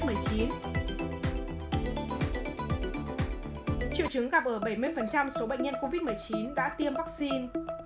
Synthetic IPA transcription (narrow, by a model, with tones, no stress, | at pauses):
t̚mɨ˨˩əjt͡ɕi˨˦n | t͡ɕḭ˧˨wt͡ɕɨ˨˦ŋɣa˨˩p̚ʔəː˧˩ɓə˧˩jmɨ˧əjfə˨˩nt͡ɕa˧mso˨˦ɓə̰˧˨ŋ̟ɲə˧nko˧vi˦˥t̚m˨˩əjt͡ɕi˨˦nɗa̰ː˧˥t̪i˧əmva˦˥k̚si˧n